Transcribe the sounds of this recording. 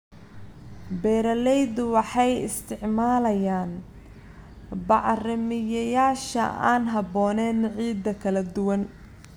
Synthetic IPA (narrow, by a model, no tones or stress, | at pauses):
bɛːɾɐlɛjd̪ʊwɑħɑjɪ̰st̪ʰɪʕmaːlɐjaːn | bɑʕrɪmɪjɐjaːʃɐ̰a̰ːnɦɐbɔːnɛːnʕiːd̪ːɐkʰɐlɐd̪ʊwɐn